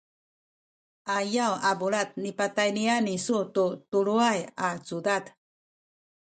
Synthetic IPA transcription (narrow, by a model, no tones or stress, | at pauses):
ajawabuɭat̪̚nipatajnianisututuɭuajat͡sudad